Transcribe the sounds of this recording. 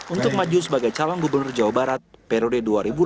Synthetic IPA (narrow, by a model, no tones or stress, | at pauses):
unt̪ʊk̚mad͡ʒusəbaɡajt͡ʃalɔŋɡubərnʊrd͡ʒawabaɾat̪̚pɛɾodeduaɾibul